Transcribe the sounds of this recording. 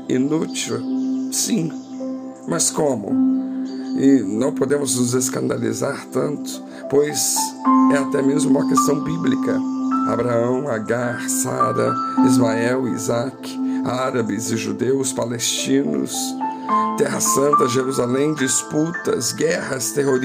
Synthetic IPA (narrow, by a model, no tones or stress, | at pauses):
ḭnut͡ʃiwsĩ | mɐskõmʊ̰ | ɪnɐ̃w̃pod̪ẽmʊznʊzeskɐ̃nd̪alḭzaɾt̪ɐ̃nt̪ʊ̥ | pojzɛat̪ɛmezmʊũmɐkest̪ɐ̃w̃biblikɐa̰bɾaɐ̃w̃aɡaɾsa̰ɾɐ̰izmaɛwḭzak | aɾabɪzɪʒud̪ewspalest͡ʃĩnʊ̰s | t̪ɛɦɐsɐ̃nt̪ɐʒeɾuzalẽj̃d͡ʒisput̪ɐ̰zɡɛhɐst̪eɦoɾ